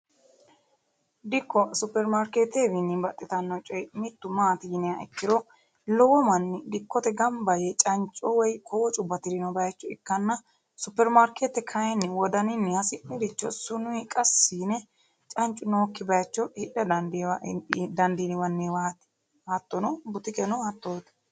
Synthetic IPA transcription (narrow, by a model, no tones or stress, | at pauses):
d̪ɪkːɔsʊpːɛɾmaɾkeːt̪ebɪnːɪbɐt̪ʼːɪt̪ɐnːɔt͡ʃʼɔjmɪt̪ːʊmaːt̪ɪjɪnɛjaʔɪkːɪɾɔ | lɔwɔmɐnːɪd̪ɪkːɔt̪ɛɡɐmbɐjɛt͡ʃʼɐnt͡ʃʼɔwɔjkʰɔwɔt͡ʃʼʊbːɐt̪ɪɾɪnɔbɐjɐt͡ʃːɔɪkːɐnːɐ | sʊpːɛɾmaɾkʰeːt̪ːɛkʰɐjɛnːɪwɔd̪ɐnɪnːɪhɐsɪʔɪd̪ɪt͡ʃːɔsʊnʊjɪkʼɐsːiːnɛ | t͡ʃʼɐnt͡ʃʼʊnoːkːɪbɐjɐt͡ʃːɔhɪᶑɐd̪ɐnd̪wd̪ɐnd̪inɪwɐnːɪwaːt̪ɪ̥ | ɐt̪ːɔnɔbʊt̪ɪkɛnɔhɐt̪ːoːt̪